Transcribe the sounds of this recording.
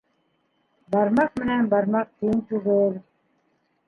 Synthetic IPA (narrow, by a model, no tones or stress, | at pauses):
bɑɾmɑq̚mɘ̆nænbɑɾmɑq̚t̪ʰint̪uʁoɾ